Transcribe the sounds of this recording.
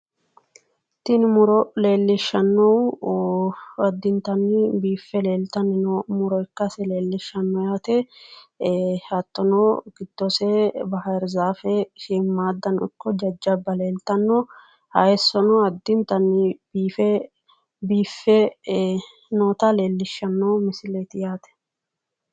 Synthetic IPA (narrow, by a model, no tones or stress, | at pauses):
t̪ɪnmʊɾɔle̞ːlːɪʃːɐnːɔw | ɐd̪ːɪnt̪ɐnːɪbiːfːɛleːlt̪ɐnɪnmʊɾɔɪkːɐsɛle̞ːlːɪʃːɐnːɔjaːt̪ɛ | hɐt̪ːɔnɔɡ̥ɪd̪̥ːɔsɛbɐhɐɛɾzaːfɛʃɪmːaːd̪ːɐnʊ̰kːɔd͡ʒɐd͡ʒːɐbːɐle̞ːlt̪ɐnːɔ | hɐjɛsːɔnɔɐd̪ːɪnt̪ɐnːɪbiːfɛ | biːfːɛ | noːt̪ɐle̞ːlːɪʃːɐnːɔwmɪsɪlet̪ɪjaːt̪ɛ̥